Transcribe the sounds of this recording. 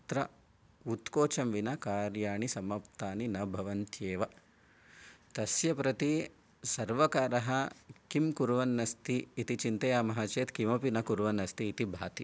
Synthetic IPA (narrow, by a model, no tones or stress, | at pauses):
t̪ɾɐ | ut̪koːt͡ʃɐmʋinɐkaːɾjaːɳisɐmɐp̚t̪aːninɐbʱɐʋɐnt̪jeːʋɐ | t̪ɐsjɐpɾɐt̪i | sɐɾʋɐkaːɾɐɦɐkimkuɾʋɐnːɐst̪iːt̪it͡ʃint̪ɐjaːmɐɦɐt͡ʃeːt̪kimɐpinɐkuɾʋɐnɐst̪iːt̪ibʱaːt̪i